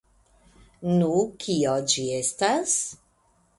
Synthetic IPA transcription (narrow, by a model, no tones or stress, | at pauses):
nukʰiod͡ʒiestas